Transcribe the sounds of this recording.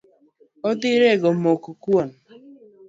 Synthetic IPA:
ɔdɪɾeɡɔm̩okukuɔn̩

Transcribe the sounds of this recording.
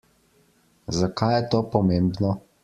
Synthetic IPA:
zakajjɛt̪oːpɔmembnɔ

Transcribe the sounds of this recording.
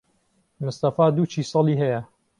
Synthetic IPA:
mʊst̪ɐfaːd̪uːt͡ʃʰiːsˤɑliːɦɐjɐ

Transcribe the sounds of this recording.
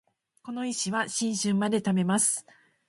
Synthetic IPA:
ko̞no̞iɕiβaɕĩɰ̃ɕɨ̃mːad̪e̞t̪ame̞masɨ̥

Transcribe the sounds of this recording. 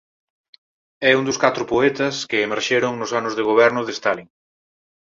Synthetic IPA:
ɛund̪ʊskat̪ɾʊpoɛt̪ɐskɪːmeɾʃeɾʊŋnʊsanʊzðeɣoβ̞ɛɾnʊðest̪aliŋ

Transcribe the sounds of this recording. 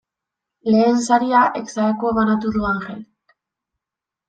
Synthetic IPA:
le̞ːnsaɾiaʔeksaɾako̞βanat̪uðuaŋxe̞l

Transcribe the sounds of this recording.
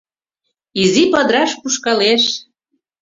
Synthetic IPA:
izipəd̪ɾɑʃpuʃkɑleʃ

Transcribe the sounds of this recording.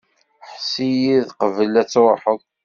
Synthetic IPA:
ħsijiðqəvəlæt͡sːɾˤħək

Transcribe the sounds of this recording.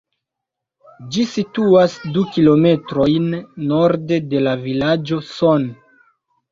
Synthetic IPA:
d͡ʒisituasdukilo̞me̞tɾo̞jnːo̞ɾde̞de̞lavilad͡ʒo̞son

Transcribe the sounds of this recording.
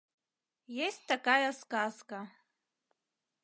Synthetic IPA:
jesʲtʲt̪akajaskazka

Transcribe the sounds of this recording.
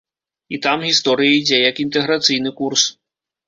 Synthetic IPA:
it̪amɣʲist̪ɔɾɨjɐid͡zʲɛjɐkint̪ɛɣɾat̪sɨjnɨkurs

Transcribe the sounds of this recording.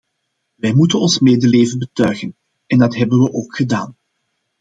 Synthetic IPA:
ʋɛjmutənɔnsmeːdəleːvənbətœɥɣən | ɛndɑtɦɛbənʋəʔoːkxədaːn

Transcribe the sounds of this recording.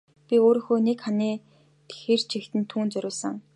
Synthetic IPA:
pʲioːɾĭŋxoːnekχaniː | t̪e̥xeːr̥t͡ɕʰixt̪ɘ̆nt̪ʰuːnt͡sœɾʲʊːsə̆ŋ

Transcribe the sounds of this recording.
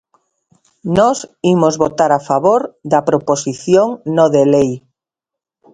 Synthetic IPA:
nɔsimozβot̪aɾafaβoɾðapɾoposiθjoŋnoðelej

